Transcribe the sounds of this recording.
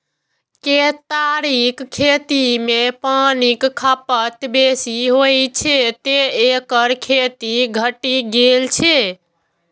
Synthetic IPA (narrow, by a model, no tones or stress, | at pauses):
ket̪aɾikkʰːet̪imepanikkʰapət̪besiɦojt͡ʃʰet̪eekəɾkʰet̪iɡʱəʈiɡelt͡ʃʰe